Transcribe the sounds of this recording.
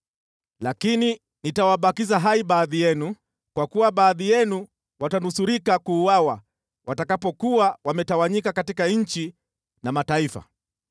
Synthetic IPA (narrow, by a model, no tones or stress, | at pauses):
lakini | nitawaɓakizaɦaiɓaːðijɛnu | kwakuwaɓaːðijɛnu | watanusuɾikakuːwawa | wʔatakapɔkuwawamɛtawaɲikakatikaɲ̩t͡ʃi | namataifa̰